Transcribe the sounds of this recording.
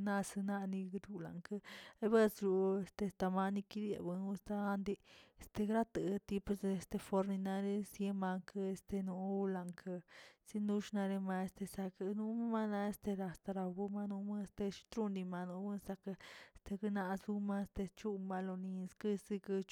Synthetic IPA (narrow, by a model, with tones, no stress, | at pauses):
na˦sɨ˧nã˧nĩ˧ɡd̪u˧la̰˨ŋkə˧e˧βe˦sɾu˧e˧st̪e˧st̪a˧ma˧ni˧ki˦d̪jḛ˨bɨ˧u˧st̪a˧a˦nd̪i˧st̪e˧ɡɾa˦t̪ɨ˨˧t̪i˧pu˧se˧st̪e˧fo˧ɾni˧nã˧ɾe˧sje˧ma˧ŋkə˧e˧st̪e˧nũ˧˦˧la˧ŋkʰə˧si˧nd̪u˧ʃna˧ɾe˧ma˧e˧st̪e˧sa˧ka˧nũ˧˦ma˦ma˧nã˧e˧st̪e˧ɾa˧st̪a˧ɾa˧bu˧ma˧nũ˧˦ma˦˧st̪e˧ʃi̥˧t̪ɾu˦nd̪i˧ma˧nũ˧˦bɨ˦sa˧ka˧st̪e˧ɡɨ˧nã˧zu˧mã˧e˧st̪e˧t͡ʃu˦ʔma˧lo˧nĩ˧skɨ˦si˧kɨ˧t͡ʃ